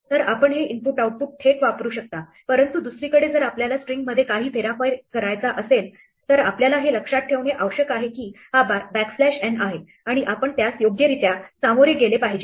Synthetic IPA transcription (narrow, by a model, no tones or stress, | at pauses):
t̪əɾapəɳɦeʔimpuʈawʈ̚puʈ̚ʈʰeʈʋapɾuːɕək̚t̪a | pəɾənt̪ud̪usɾiːkəɽed͡zəɾapljalasʈɾiŋɡməd̪ʱːjekaɦiːfʰeɾapajkʰəɾajt͡saʔəsel | t̪əɾapljalaɦeləkʂat̪̚ʈʰːeʋɳeʔəwɕəkaɦekiː | hababækflæɕeɳaɦe | aɽ̃iʔapəɳt̪jasjoɡjəɾit̪jasamoɾeɡelepaɦid͡ʑe